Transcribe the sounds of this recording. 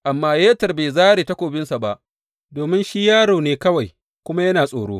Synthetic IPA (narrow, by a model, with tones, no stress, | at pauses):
ʔa˨mːaː˦jeː˦tɐ˨rbeː˨zaː˦ɾeː˨ta˦kʷoː˨bɪ˦nsa˨ba˦ʔ | doː˨mɪ˦nʃi˦jaː˦ɽoː˨neː˨˦kɐ˦wa˨j | kʷʊ˦ma˦jɐ˦naː˨sʼo̰ː˨ɽoː˦